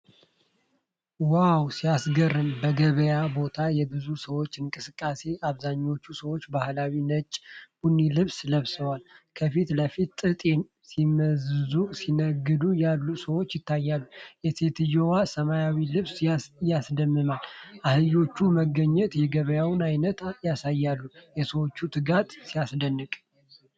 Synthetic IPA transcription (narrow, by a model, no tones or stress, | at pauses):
wawsijasɡərːɨmbəɡəβəjabo̞t̪ʰajɛbɨzusəwo̞t͡ʃːɨŋkʼɨsɨkʼːase̞ʔaβzaɲːo̞t͡ʃːusəwot͡ʃːbahlawinət͡ʃʼb̥unːilɨβsləβsəwalkʰəfit̪ləfit̪t̪ʼɨt̪ʼ | simːəzɨzusinəɡːɨd̪ujalːusəwo̞t͡ʃːjɪt̪ʰːajːalːujɛse̞t̪ʰɨjowasəmajawilɨβsjasd̪əmːɨmalʔahɨjo̞t͡ʃːuməɡəɲːɛt̪jɛɡəβəjawɨnajnət̪jasajːalːujɛsəwot͡ʃːut̪ʰɨɡat̪sijasd̪ənːɨkʼ